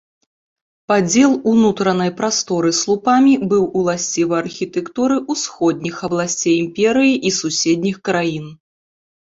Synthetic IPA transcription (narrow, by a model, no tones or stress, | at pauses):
pad͡zʲɛlˠunut̪ɾɐnɐjpɾast̪ɔɾɨslˠupamʲibɨwulˠasʲt͡sʲivɐɐrxʲit̪ɛkt̪uɾɨʔusxɔd̪̚ʲnʲixɐblˠasʲt͡sʲejimpʲɛɾɨjiʔisusʲɛd̪ʲnʲixkɾajin